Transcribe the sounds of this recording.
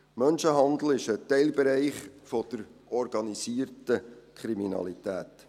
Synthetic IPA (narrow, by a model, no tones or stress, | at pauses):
mœnʃəɦɑnd̪l̩ɪʃətɛɪlbɛɾɛɪχfɔd̥əɾʔɔɾɡ̥ɑnisiːərtəkʰɾiminɑ̰litæːt